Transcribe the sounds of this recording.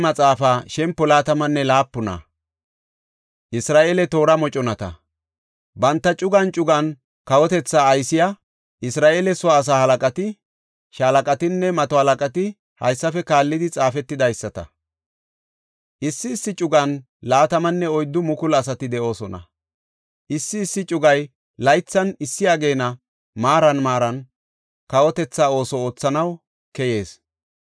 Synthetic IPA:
mɐt͡sʼaːfaːʃɛmpːɔlaːt̪ɐmɐnːɛlaːpːʊnɐ̰ | ʔɪsɾaːʔeːlɛt̪o̞ːɾɐmɔt͡ʃʼɔnɐt̪ɐ̰ | bɐnt̪ːɐt͡ʃʼʊɡɐnt͡ʃʼʊɡɐn | kɐwɔt̪ɛt͡sːaːjsɪja | ʔɪsɾaːʔeːlɛsɔaːs̬aːhɐlɐkʼɐt̪ɪ | ʃalɐkʼɐt̪ɪnːɛmɐt̪ɔhɐlɐkʼɐt̪ɪ | hɐ̰jsːɐfɛkaːlːɪd̪ɪt͡sʼaːfɛt̪ːɪd̪ɐjsːɐt̪ɐ̰ | ʔɪsːɪːsːɪt͡ʃʼʊɡɐn | laːt̪ɐmɐnːɛɔjd̪ːʊmʊkʊlɐs̬ɐt̪ɪd̪ɛʔo̞ːsɔnɐ̰ | ʔɪsːɪːsːɪt͡ʃʼʊɡɐj | lɐjt͡sːɐnɪsːɪjaːɡe̞ːnɐ | maːɾɐnmaːɾɐn | kɐwɔt̪ɛt͡sːaːo̞ːsɔoːt͡sːɐnɐw | kɛje̞ːs

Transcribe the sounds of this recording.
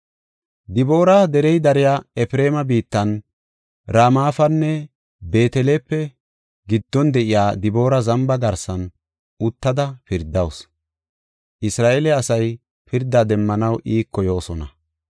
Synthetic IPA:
d̪ɪbo̞ːɾɐd̪ɛɾɛjd̪ɐɾɪjaɛfɾe̞ːmɐbiːt̪ːɐn | ɾaːmaːfɐnːɛ | be̞ːt̪ɛleːpːɛ | ɡɪd̪̥ːɔnd̪ɛʔɪjaːd̪ɪbo̞ːɾɐzɐmbɐɡɐɾsɐn | ʊt̪ːɐd̪ɐpɪɾd̪ɐws | ʔɪsɾaːʔɛlɛɐsɐj | pɪɾd̪ːaːd̪ɛmːɐnɐwʔiːkːɔjo̞ːsɔnɐ̰

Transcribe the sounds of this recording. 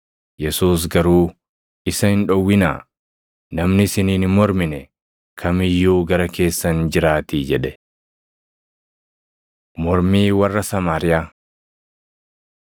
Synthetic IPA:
jɛsuːs̬ɡɐɾuː | ʔɪsɐhɪnᶑɔwːɪna̰ː | nɐmnɪsɪniːnɪmɔɾmɪnɛ | kʰɐmɪjːuːɡɐɾɐke̞ːsːɐnd͡ʒɪɾaːt̪iːd͡ʒɛᶑɛ | mɔɾmiːwɐrːɐsɐmaːɾɪjaː

